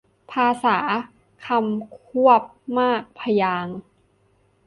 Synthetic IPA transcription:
pʰaː˧saː˩˦ | kʰa˧mkʰu˥˩əp̚maː˥˩k̚pʰa˧jaː˧ŋ

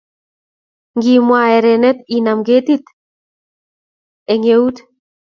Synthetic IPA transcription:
ŋɡi˨mwaɛ˨ɾɛnɛ˦t̪i˨namɡet̪i˦t̪ | eŋeu˦t̪

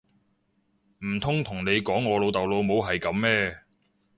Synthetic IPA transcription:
m̩˨˩t̪ʰʊ˥ŋt̪ʰʊ˨˩ŋne˨˧jkɔː˨˥ŋːɔː˨˧lo˨˧wt̪ɐ˨wlo˨˧wmo˨˧wɦɐ˨jkɐ˨˥mːɛː˥

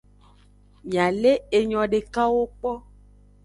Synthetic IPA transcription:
mĩ˨a˨le˦e˨ɲɔ̃˨ɖe˨ka˦wo˦k͡pɔ˦

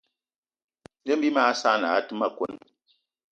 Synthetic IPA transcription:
n˦de˦m̩˦bi˦ma˦a˦sa˦˨na˨˦tɨ˦ma˦˨kwo˦n

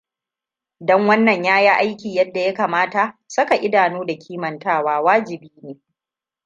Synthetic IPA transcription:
dɔ˦ŋwɐ˦nːɐ˨ɲjaː˦ja˦ʔa˦jkʲiː˨jɐ˦dːa˨ja˦kaː˨maː˦ta˨ʔsɐ˦ka˨ʔɪ˦daː˨noː˦da˨kʲʰiː˦mɐ˨ntaː˦waː˦waː˦d͡ʒɪ˨biː˦neː˨

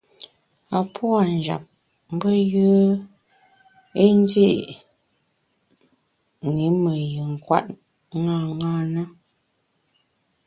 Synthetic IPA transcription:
a˨pʰwa˨n˨d͡ʒa̰˨p̚ | m̩˦bə˦jə˦ | e˦n˦de˦ʔ | ŋe˨˦mə˨jə˨ŋ̩˨kwa̰˦˨t̚ | ŋa˦˨ŋaː˦˨nə˦

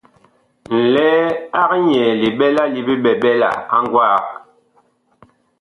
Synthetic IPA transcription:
n̩˨lɛː˦a˦kɲɛː˨li˨ɓɛ˦la˦li˨bi˦ɓɛ˨ɓɛ˦la̰˨a̰˦ŋɡwa˦˨

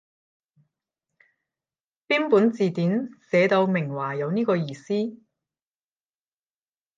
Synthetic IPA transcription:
piː˥npuː˨˥nt͡siː˨t̪iː˨˥nsɛː˨˧t̪o˧wmɪ˨˩ŋwaː˨˩jɐ˨˧wniː˥kɔː˧jiː˨siː˥

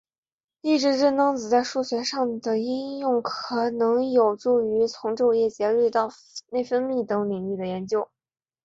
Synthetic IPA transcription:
i˥˩ʈ͡ʂɻ̩˧˥ɻə˥˩nɑ˥ŋt͡sɹ̩˨˩t͡sa˥˧ɪʂu˥˩ɕɥɛ˧˥ʂɑ˥˩ŋd̪ə˩i˥njʊ˥˩ŋkʰɤ˨˩nɤ˧˥ŋjo˨˩ʊʈ͡ʂu˥˩y˧˥t͡sʰʊ˧˥ŋʈ͡ʂo˥˧ʊjɛ˥˩t͡ɕjɛ˧˥ly˥˧t̪ɑ˥˧ʊ | ne˥˩ɪfə˥nmi˥˩t̪ɤ˧˥ŋli˨˩ŋli˥˩d̪ə˩jɛ˧˥nt͡ɕjo˥ʊ

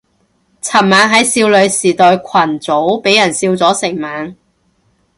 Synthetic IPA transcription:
t͡sʰɐ˨˩mmaː˨˧nɦɐ˨˥jsiː˧wlɵ˨˧ɥsiː˨˩t̪ɔː˨˧jkʷʰɐ˨˩nt͡so˨˥wpe˨˥jɐ˨˩nsiː˧wt͡sɔː˨˥sɪ˨˩ŋmaː˨˥ŋ

